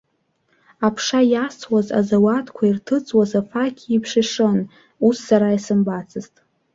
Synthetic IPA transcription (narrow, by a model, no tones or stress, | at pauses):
apʰʂajast͡sʰwaza̰zawatʰkʷʰairtʰɨt͡sʼwazafakʲʰipʰʂɪʂɨn | usːaɾaisɨmbat͡sʰɨztʼ